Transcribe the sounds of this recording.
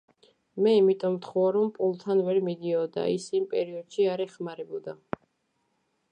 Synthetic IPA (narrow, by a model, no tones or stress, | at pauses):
mɛimit̪ʼɔmt̪ʰχɔaɾɔmpʼulˠt̪ʰanvɛɾmid̪iɔd̪a̰isimpʼɛɾiɔd̪̥ʃiaɾɛχmaɾɛbud̪a